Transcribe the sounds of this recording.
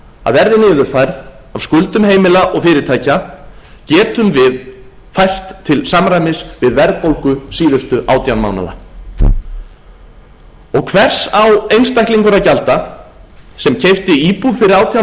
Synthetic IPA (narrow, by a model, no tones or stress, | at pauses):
a̰ðvɛɾðɪnɪːðʏɾ̥θajɾð | avskʏlt̪ʏmɦeːjmɪlaʔɔɣfɪːɾɪt̪ʰaːjcacɛːt̪ʏmvɪð | fajr̥t̪ʰːɪlsamɾajmɪsvɪðvɛɾðpowlkʏsiːðʏst̪ʏʔa̰ːwt̪janma̰ːwna̰ða̰ | ɔɣkʰvɛr̥sawejnst̪ajkliŋkʏɾacalt̪a | sɛmcʰejft̪ɪiːpuðfɪɾɪɾaːwt̪ja